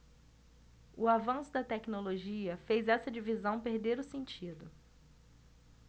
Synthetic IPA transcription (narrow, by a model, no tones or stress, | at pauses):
ʊavɐ̃sʊd̪ɐt̪ɛknoloʒiɐfejzɛsɐd͡ʒivizɐ̃w̃peɾd̪eɾʊsẽnt͡ʃid̪ʊ